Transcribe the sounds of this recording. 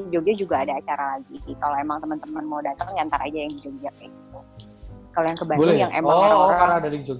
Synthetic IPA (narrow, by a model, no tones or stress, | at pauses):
d͡ʒod͡ʒad͡ʒuɡaːdaːt͡ʃaɾalaɡisikaloemaŋt̪əmənt̪əmənmodat̪aŋdiant̪aɾaːd͡ʒajaŋdid͡ʒoɡd͡ʒak̚jaɡit̪u | kalojaŋkəbablɛjaŋʔḛmaɾoɾaaɾadaid͡ʒoɡ